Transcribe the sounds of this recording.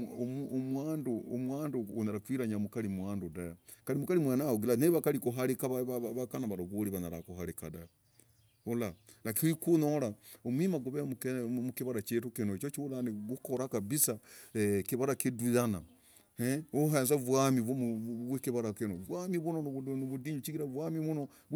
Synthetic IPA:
muomwaːndoomwaːndoːnaɾakwiːɾaɲamukalimwaːndudajakalimukalimwanaoɡilaneβakalikuɦaɾikaβaβaββakanaβaɾoβuliβanaɾa̰kuɦaɾikadaja | ula | lakiikunolaomwimaɡuβemukmukiβaɾat͡ʃetukinoet͡ʃot͡ʃiulaneɡukoɾakaβisaekiβaɾakidwiana | heoɦanzaβwamiββwekiβaɾakinoβwamiβunonnoβudiɲut͡ʃiɡiɾaβwamiβuno

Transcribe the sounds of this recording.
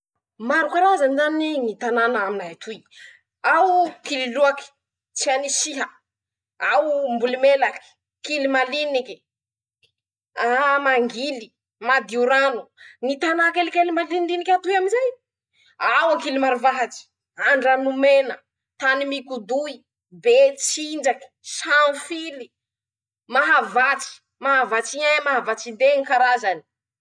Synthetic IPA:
maɾukaɾazanizaninit̪ananaaminaat̪ʰuj | awkililuaki̥ | t͡sianisiɦə | awmbulimelaki̥ | kilimaliniki̥ | amaŋɡili | mad̪iuɾanunit̪anakelikelimalininikʲat̪ujaminzaj | awakilimaɾuvaɦat͡si̥ | aɳɖ͡ʐanumenə | t̪animikud̪ui | bet͡sind͡ʒaki̥sanfili | maɦavat͡si̥ | maɦavat͡siɲamaɦavat͡sid̪eŋikaɾazani̥

